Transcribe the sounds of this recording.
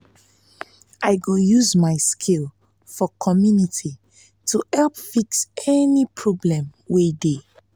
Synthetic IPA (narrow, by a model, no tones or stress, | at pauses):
ʔaɪɡojuzmaɪskʰil | fɔkʰɔmjuniti | tʰuhɛlpfiksɛnipʰɹɔblɛ̃mwede